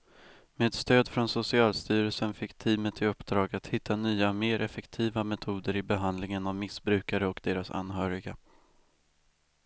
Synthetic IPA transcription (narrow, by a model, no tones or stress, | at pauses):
meːd̪st̪øːd̪fɾɔnsʊsɪɑːlst̪yːɾəlsənfɪkːt̪ʰiːmət̪ʰɪɵpːd̪ɾɑːɡat̪hɪt̪ːanyːameːɾʔɛfɛkt̪ʰiːvamɛt̪ʰuːd̪əɾɪbɛɦand̪lɪŋənavmɪsbɾʉ̟ːkaɾəɔkd̪eːɾasa̰nɦœːɾɪɡa